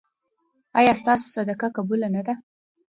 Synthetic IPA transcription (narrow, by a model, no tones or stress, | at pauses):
ajɑst̪ɑs̬o̥sad̪akakabulanad̪a